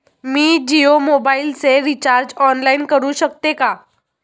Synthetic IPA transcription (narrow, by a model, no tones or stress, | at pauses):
miːd͡ʑiomobailseɾit͡ɕaɾd͡ʑɔnlainkəɾuːɕəkt̪eka